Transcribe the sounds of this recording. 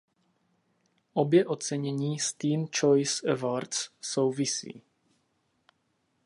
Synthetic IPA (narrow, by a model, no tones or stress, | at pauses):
ʔobjɛʔot͡sɛɲɛɲiːst̪iːnt͡ʃojsɛvaɾtsːowvisḭː